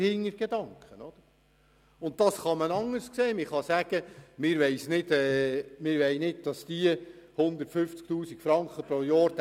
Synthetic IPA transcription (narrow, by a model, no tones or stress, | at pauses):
hɪŋːəɾɡ̥ed̪ɑŋkχənɔd̥̪əɾ | ʊnt̚d̥ɑsχɑmənɑŋːəɾskseːmɪχɑsæɡ̥əmɪɾʋɛɪsnɪdɛːmɪɾʋɛɪnɪd̚d̥ɑsd̥̪iəhʊnd̪əɾtfʏft͡sk̚t̪uːsikfɾɑŋkχəpɾojɑːɾt̪